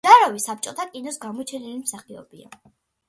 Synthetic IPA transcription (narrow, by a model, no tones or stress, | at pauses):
aɾɔvisap̚t͡ʃʼɔt̪ʰakʼinɔsɡamɔt͡ʃʰɛnilimsaχiɔ̰bia̰